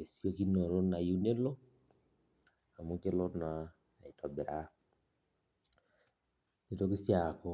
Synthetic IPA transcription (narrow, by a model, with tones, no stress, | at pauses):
e˨sjo˦ki˦no˨ɾo˦na˨ju˦ne˦lo˦ | a˨mu˦ke˦lɔ˦na˨ | i˨tʰɔ˨be˨ɾa˦ | ne˨to˦ki˦sja˨kɔ˦